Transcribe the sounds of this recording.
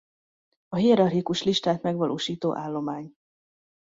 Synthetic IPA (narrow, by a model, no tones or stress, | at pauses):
ɒɦijɛɾɒrhikuʃliʃt̪aːt̪mɛɡʋɒlʔo̰ːʃiːt̪oːʔaːlːo̞maːɲ